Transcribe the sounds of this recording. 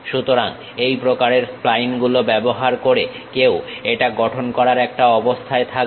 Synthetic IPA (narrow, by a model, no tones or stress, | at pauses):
ʃut̪oɾaŋ | ejpɾokaɾeɾplajnɡulobɛboɦaɾkoɾe | keweʈaɡɔʈʰonkɔɾaɾɛk̚ʈaɔbost̪ʰaet̪ʰak